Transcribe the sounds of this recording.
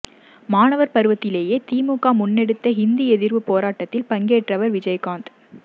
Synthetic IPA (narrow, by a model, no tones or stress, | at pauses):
maːnɐʋɐɾpɐɾɯʋɐt̪ːɪleːjeːt̪iːmuːkaːmʊnːɛɽɯt̪ːɐɦɪnd̪iɛðɪɾʋɯpoːɾaːʈːɐt̪ːɪlpɐŋɡeːʈrɐʋɐɾʋɪd͡ʒɐjkaːnd̪